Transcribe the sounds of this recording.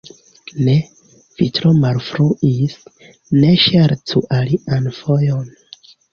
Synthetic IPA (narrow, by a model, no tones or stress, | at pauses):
ne | v̥itɾomaɾfɾuʔis | neʃaɾtʰuʔaliʔanfojon